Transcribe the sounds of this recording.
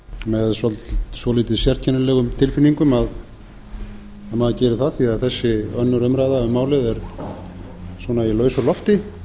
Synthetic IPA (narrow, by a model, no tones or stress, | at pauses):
mɛðsɔlt̪svɔliːt̪ɪðsjɛr̥̚cʰɛnʏlɛːɣʏmt̪ʰɪlfɪnːiŋkʏmað | amaðacɛːɾɪθaðθiaðθɛsːɪœnːʏɾʏœmɾajðaʏmaːwlɪðɛɾ | sɔːnailœːɥsʏlɔft̪ɪ